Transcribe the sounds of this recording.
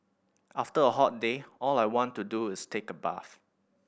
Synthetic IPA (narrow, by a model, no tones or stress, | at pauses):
ʔaftəəɦɔt̚deɔlajwɔ̃ntːuduɪstʰekəba̰f